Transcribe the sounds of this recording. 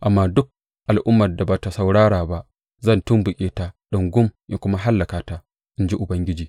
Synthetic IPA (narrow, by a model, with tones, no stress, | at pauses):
ʔa˨mːaː˦dʊ˦k̚ | ʔa˨lʔʊ˦mːɐ˨rda˨ba˨ta˨sa˨wɽaː˦ɽaː˨ba˦ʔ | zɐ˦˨ntʊ˦mbʊ˨kʲʼeː˦ta˨ɗʊ˨ŋɡʊ˦mja˨˦kʷʊ˦ma˦ɦa˦lːa˨kaː˨taː˦ | ʔɪ˦nd͡ʒi˦ʔʊ˨bɐ˦ŋɡʲɪ˦d͡ʒiː˨